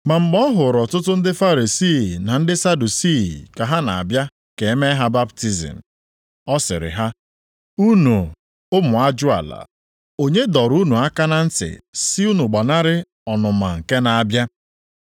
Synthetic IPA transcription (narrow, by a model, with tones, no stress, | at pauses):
ma˨ŋ͡m̩˨ɡ͡bɔ˦ɦʊ˨ɾɔ˨tʊ˦tʊ˦n̩˦dɪ˦fa˦ɾi˨si˦˨na˨n̩˦dɪ˦sa˦du˨si˦˨ka˨ɦa˦na˨a̰˨bja˦ | ke˨˦me˦ɦa˦ba˦b̚ti˦zḭ˨m̩˨ | ɔ˦sɪ̰˨ɾɪ̰˨ɦa˦ | u˦nu˨ | ʊ˦mʊ˨a˦d͡ʒʊ˦a̰˨la̰˨ | o˦ɲe˦dɔ˨ɾu˦nu˨a˦ka˦na˨n̩˦tɪ̰˨si˦u˦nu˨ɡ͡ba˨na˦ɾɪ˦ | ɔ˨nʊ˨ma̰˨ŋ̩˨ke˦na˨a˨bja˦